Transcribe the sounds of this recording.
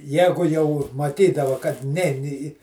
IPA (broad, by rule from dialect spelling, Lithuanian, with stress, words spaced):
ˈjæːɡʊ jɛʊ mɐˈtʲiːdɐʋɐ kɐt ˈnʲɛɪn ɪ ɪ